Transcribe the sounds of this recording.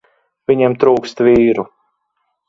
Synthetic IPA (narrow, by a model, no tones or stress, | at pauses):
viɲemt̪ɾuːkst̪viːɾu